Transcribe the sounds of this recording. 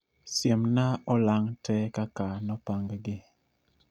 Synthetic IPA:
sjemnaɔlaŋtʰɛkakanɔpaŋɡɡɪ

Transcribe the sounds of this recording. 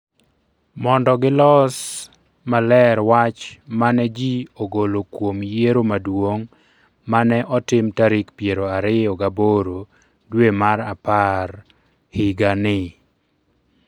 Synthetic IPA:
mɔndɔɡɪlɔs | malɛɾwat͡ʃmanɛd͡ʒioɡolokwomjeɾomadwoŋ | manɛʔɔtɪmtaɾɪkpjeɾoaɾɪɔɡaboɾo | dwemaɾapar | hɪɡanɪ

